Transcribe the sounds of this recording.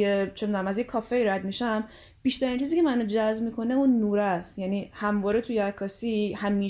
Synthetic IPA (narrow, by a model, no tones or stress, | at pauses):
et͡ʃʰemed̪unæmæzjekʰɒːfeiɾæd̪miʃæm | b̥iːʃt̪æɾint͡ʃʰiːziːcʰʲe̞mænod͡ʒæzmiːkʰo̞ne̞unːuːɾæst̪jæniːhæmvɒːɾet̪ʰujeækʰːɒːsihæmiː